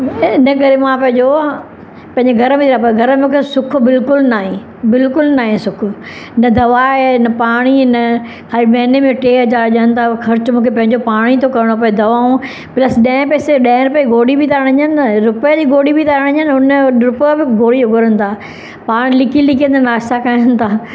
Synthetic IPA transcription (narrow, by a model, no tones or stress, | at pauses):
ɪnəkɐɾemãpɐ̃ɦɪ̃ɲd͡ʑo | pɐ̃ɦɪ̃ɲd͡ʑeɡʱɐɾəmẽt̪inãpɐɡʱɐɾəmẽmũkʰesʊkʰʊbɪlkʊlnaːɦẽː | bɪlkʊlnaːɦẽsʊkʰʊ | ɪnɐd̪ɐʋaːenɐpaːɽ̃iɪnɐ | xaːɾimɛ̃ːnemẽʈeːɦɐd͡ʑaːɾʄəən̆t̪ʰaːxɐɾt͡ɕmũːkʰepɐ̃ɦɪ̃ɲd͡ʑopaːɽ̃it̪ʰokɐɾɪɽ̃op̬ɐed̪ɐʋaːũ | plɐsɗɐ̃ɦɪ̃pɛːseɗɐ̃ɾʊpjeɡoːɽibʱɪt̪aɾəɽ̃ɲənɾʊpjəd͡ʑiːɡoːɽibɪt̪aɾəɽ̃ə̃ɲənʊnəɾʊpjbɪɡoːɽioɡʱʊɾənɪ̆t̪ʰaː | paːɽ̃lɪkʰilɪkʰiə̃nt̪ʰanɾaːst̪akaːjənɪt̪ʰaː